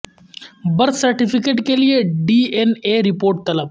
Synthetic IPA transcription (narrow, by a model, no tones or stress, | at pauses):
bɐɾsɐɾʈɪpʰɪkeːʈkelieɖiːɛneːɾɪpoːɾʈ̚t̪ɐləb